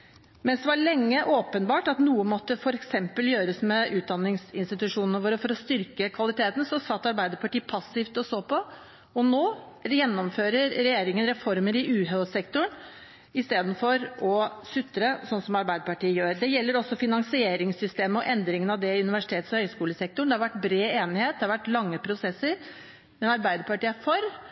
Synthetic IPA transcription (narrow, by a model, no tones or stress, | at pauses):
mɛnsd̪ɛʋɑɭɛŋːəʔoːpənbɑːʈɑt̪nuːəmɔt̪ːəfɔɾɛksɛmpəljøːɾəsmɛʔʉːt̪̚d̪ɑnːɪŋsɪnst̪ɪt̪ʉʂuːnnəʋoːɾəfɔɾɔst̪ʏɾkəkʰʋɑlɪt̪ʰeːt̪n̩sɔsɑt̪ːɑɾbæɪd̪əɾpɑʈiːpʰɑsːɪft̪ɔsoːpʰɔ | ɔnoː | jɛnːɔmføːɾəɾɾɛjeːɾɪŋənɾɛfɔɾməɾɪʔʉːɦøsɛkt̪ʊɳ | ɪst̪eːd̪n̩fɔɾɔsʉt̪ːɾəsɔnːsɔmɑɾbæɪd̪əɾpɑʈiːəjøːɾd̪ɛjɛlːəɾɔsːɔfɪnɑŋsɪeːɾɪŋsʏst̪eːməɔʔɛnd̪ɾɪŋənɑʋd̪ɛʉnɪʋæʂɪt̪ʰeːt̪sɔhœʏskuːləsɛk̚t̪ʊɳd̪ɛhɑɾʋæʈːbɾeːeːnɪheːt̪̚d̪ɛhɑɾʋæʈːlɑŋːəpʰɾʊsɛsːəɾ | mɛnɑɾbæɪd̪əɾpɑʈiːəfɔɾ